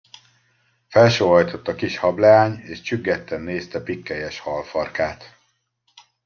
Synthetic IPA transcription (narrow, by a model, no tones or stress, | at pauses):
fɛlʃøːɦɒjt̪o̞t̪ːɒkiʃhɒblɛaːɲeːʃt͡ʃyɡːɛt̪ːɛnːeːst̪ɛpikːɛjɛʃhɒlfɒrkaːt̪